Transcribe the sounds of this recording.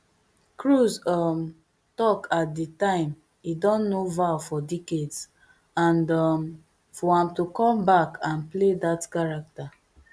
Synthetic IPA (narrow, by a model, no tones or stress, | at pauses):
kɹuzɔm | tɔkat̚dətãɪ̃m | idɔ̃nːovaʊfɔdekeds | ãndɔm | fɔãmtukɔ̃mbakãnpledatkaɹak̚ta